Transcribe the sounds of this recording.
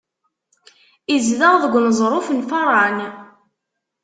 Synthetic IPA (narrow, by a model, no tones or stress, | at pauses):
izðəʁðəɡʷnəzˤɾˤofənfɑɾˤɑn